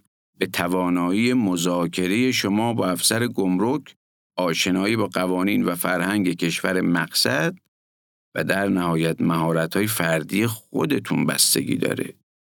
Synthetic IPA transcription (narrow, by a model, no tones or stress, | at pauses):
be̞t̪ʰævɒːnɒːiːjemozɒːkʰe̞ɾe̞je̞ʃomɒːbɒːæfsæɾeɡomɾokʰ | ɒːʃe̞nɒːiːbɒːɢævɒːniːnvæfæɾhæŋɟe̞kʰe̞ʃvæɾemæɢsæd̪̥̚ | væ̰d̪æɾnæhɒːjæt̪mæɦɒːɾæt̪hɒːjefæɾd̪iːjexo̰d̪e̞t̪ʰunbæ̰st̪e̞̰ɡḭːd̪ɒ̰ːɾḛ